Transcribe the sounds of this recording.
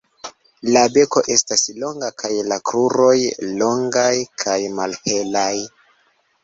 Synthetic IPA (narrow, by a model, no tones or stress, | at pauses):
labe̞ko̞ʔe̞staslo̞ŋɡakʰajlakɾuɾo̞jlo̞ŋɡajkʰajmalhe̞laj